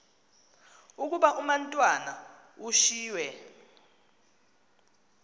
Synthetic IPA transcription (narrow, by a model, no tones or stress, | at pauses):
uk̬ʼuɓaʔumantʼwana | uʃiːwɛ